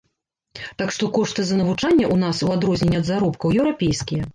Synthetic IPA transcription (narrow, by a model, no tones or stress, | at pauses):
t̪akʂt̪ɔkɔʂt̪ɨzɐnɐvut͡ʂanʲːɐʔunasuad̪ɾɔzʲnʲɛnʲɐd̪zaɾɔpkɐwjɛwɾapʲejskʲijɐ